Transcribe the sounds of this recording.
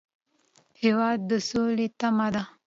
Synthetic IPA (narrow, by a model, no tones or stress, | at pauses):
hewaːd̪̚ːəsoːlet̪amad̪a